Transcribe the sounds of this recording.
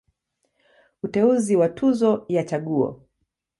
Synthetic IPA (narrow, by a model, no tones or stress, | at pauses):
utɛuziwatʰuzɔjat͡ʃaɠuɔ̰